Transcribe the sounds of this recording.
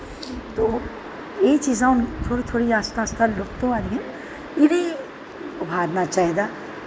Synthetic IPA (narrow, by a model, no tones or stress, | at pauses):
t̪oː | jet͡ʃiːzãʊnt̪ʰoːɽit̪ʰoːɽiaːst̪ʰaːst̪ʰalʊkt̪oad̪ɡe | ɪnẽ | ʊbʱaːd̪nat͡ʃaːɦid̪a